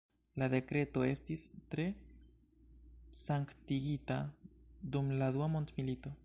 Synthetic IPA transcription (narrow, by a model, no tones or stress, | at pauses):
lade̞kɾe̞to̞e̞stistɾe̞ | saŋktiɡitadumladuamo̞ntmilito̞